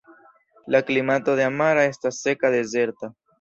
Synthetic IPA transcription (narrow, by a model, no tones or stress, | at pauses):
laklimat̪oðeamaɾae̞stasːe̞kaðe̞ze̞ɾt̪a